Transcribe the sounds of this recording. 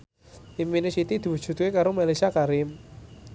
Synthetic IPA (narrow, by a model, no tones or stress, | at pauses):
iminesit̪id̪̥i̤wu̥ʒ̥ṳt̪̚kekaɾomalesiakaɾɪm